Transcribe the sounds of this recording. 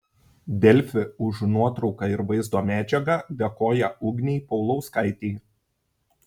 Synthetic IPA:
d̪ʲɛlʲfʲɪʊʒnuɔt̪ɾɒʊkɑɪɾʋɐɪzd̪oːmʲæːd͡ʒʲɛɡɑd̪ʲɛkoːjɛʊɡnʲɛɪpɒʊlˠɒʊskɐɪt̪ʲeː

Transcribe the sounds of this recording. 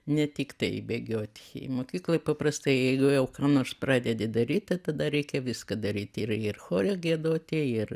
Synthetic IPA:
nʲɛt̪ʲɪkt̪ɐɪbʲeɡʲoːt̪ʲɪ̥̰moːkʲiːklˠoːpɐprɐst̪ɐɪjɛɪɡʊjɛʊkɑːnoːrsprɑːd̪ʲɛd̪ʲed̪ɐɾʲiːt̪̚ʲt̪ɐɪt̪ɐd̪ɐɾʲɛɪkʲɛʋʲɪskɐd̪ɐɾʲiːt̪ʲɪrɪrxoːɾʲoɡʲiɛd̪oːt̪ʲɪɪr

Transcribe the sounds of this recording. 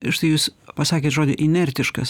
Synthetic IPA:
ɪʃt̪ɐɪjuːspɐsɑːkʲeːt̪ʒoːdʲɪʔɪnʲɛɾʲt̪ʲɪʃkɐ̰s

